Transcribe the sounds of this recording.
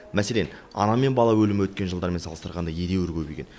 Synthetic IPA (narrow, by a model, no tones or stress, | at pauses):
mæse̞le̞n | ɑ̰nɑme̞nbɑlˠɑwɵlɪmɪwɵt̪̚kʲe̞nʒəlˠd̪ɑɾme̞nsɑlˠəst̪əɾʁɑnd̪ɑjed̪e̞wʏɾkʲʰɵbekʲe̞̰n